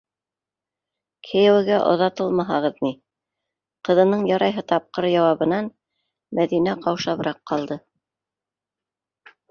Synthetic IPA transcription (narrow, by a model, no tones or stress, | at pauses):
kʰĕjæwɘ̆ɡæʔŏ̰ðɑt̪ɤlˠmɑɦɑʁɤðni | qɤ̆ðɤ̆nɤɴjɑɾɑjɦɤt̪ɑp̚qɤɾjɑwɑβɤ̆nɑn | mæðinæqɑwʃɑβɾɑqːɑlˠd̪ɤ